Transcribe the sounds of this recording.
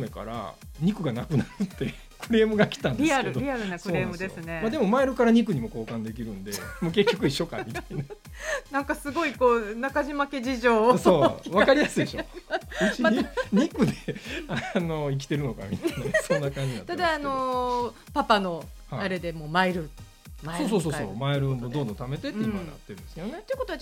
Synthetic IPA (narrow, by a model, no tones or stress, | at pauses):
meka̰ɾa̰ | ɲ̟ikɯ̟ɡanakɯ̟naɾɯ̟t̪ːe̞ | kɯ̟ɾe̞ːmɯ̟ɡakʲi̥t̪ãndɾʲieɾkd̪ʲiaɾɯnakɯ̟oɾe̞ːmɯd̪e̞sɨne̞mad̪e̞mo̞maiɾɯ̟kaɾaɲ̟ik̬ɯ̟ɲ̟imo̞ko̞ːkãnd̪e̞kʲiɾɯ̟̃nd̪e̞moːke̞kʲːo̞kɯ̟iɕːo̞ka̰mʲit̪aina | nãŋkasɨɡo̞iko̞ːnakaʑimake̞ʑiʑo̞ːsoβakaɾʲijasɨid̪eɕoiiɲɲikɯ̟d̪e̞ano̞ik̬ʲi̥t̪e̞ɾɯ̟no̞ka̰mʲḭt̪nːasonːakãɲd͡ʑinat̪ad̪aːno̞ | papano̞haaɾe̞d̪emo̞ːmaiɾɯ | maso̞ːso̞ːs̬oːso̰ːmaeɾɯmod̪o̞ːd̪õt̪ame̞t̪e̞t̪eĩimaa̰t̪ːeɾɯ̟̃d̪esɨked̪onet̪eiɯ̟kot̪oa